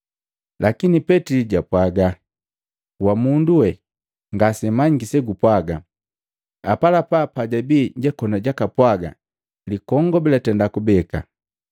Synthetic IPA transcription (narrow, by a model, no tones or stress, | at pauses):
lʔakinipɛtiliɟapwaɡa | wamunduwɛ | ŋɡasɛmaɲɡisɛɡupwaɡa | apalapapaɟabiɲɟɛkɔnaɟakapwaɡa̰ | likɔŋɡɔbilatɛndakubɛka̰